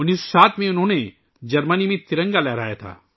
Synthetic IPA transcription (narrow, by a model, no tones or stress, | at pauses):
ʊniːsosaːt̪ʰmẽʊnɦõːne | d͡ʒɐɾmənimẽt̪ɪɾə̃ŋɡalɛːɾaːjat̪ʰa̰ː